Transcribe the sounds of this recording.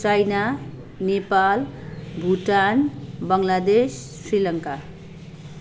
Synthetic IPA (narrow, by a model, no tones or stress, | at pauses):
t͡ʃajna | nepalbʱuʈanbʌŋlad̪essɾilʌŋka